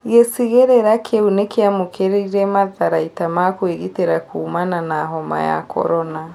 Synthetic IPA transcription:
ɣesiɣeɾeɾakʰeunekeamokeɾeiɾɛmaðaɾaitamakweɣiteɾakʰuːmananaːɦɔma̰ja̰kɔ̰ɾɔna

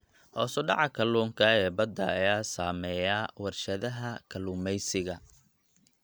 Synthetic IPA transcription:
hɔːsʊɖɑʕɑkʰɐluːŋkʰɐɛːbɐd̪ɐːjaːsaːmɛːjaːwɐrʃɐðɐɦɐkʰɐluːmɛjsɪɣɐ

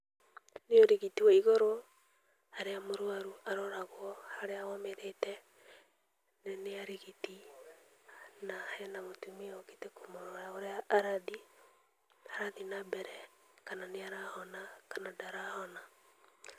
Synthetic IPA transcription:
neoɾiɣitiwaiɣɔɾɔ | aɾeamoɾwaɾuaɾɔɾaɣwɔhaɾeawɔmeɾetɛ | neneaɾeɣiti | nahɛnamotumiɔɣitekomoɾɔɾaoɾeaʔːɾaði | aɾaðinabɛɾɛ | kananeaɾahɔnakanadaɾahɔna

